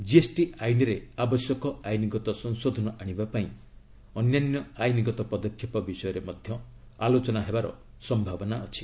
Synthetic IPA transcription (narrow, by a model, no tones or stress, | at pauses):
d͡ʒiesʈiʔajnɔɾeabɔsjɔkɔajniɡɔt̪ɔsɔŋsod̪ʱɔnɔʔaɽ̃ibapaĩ | ɔnjanjɔajniɡɔt̪ɔpɔd̪ɔkʰːjɔpɔbisɔjɔɾemɔd̪ʱjɔ | alot͡ʃɔnaɦebaɾɔ̰ | sɔmbʱabɔnaɔt͡ʃʰi̥